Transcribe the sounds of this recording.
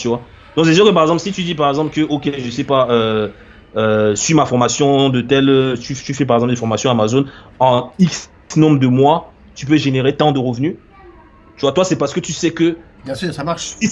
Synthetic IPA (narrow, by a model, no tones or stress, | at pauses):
t̪yvwa | d̪ɔ̃ses̬yʁkəp̬aʁɛɡzɑ̃plsit̪yd̪ipaʁɛɡzɑ̃plkəʔokʲeʒəsɛpaøː | sɥimafɔʁmasjɔ̃d̪ət̪ɛløt̪yt̪yfɛpaʁɛɡzɑ̃pld̪efɔʁmasjɔ̃amazonɑ̃iks | nɔ̃bʁəd̪əmwa | t̪yp̬øʒeneʁet̪ɑ̃d̪əʁəvny | t̪yvwat̪wasɛpaʁsə̥kət̪ysɛkə | bjɛ̃sysamaʁʃsi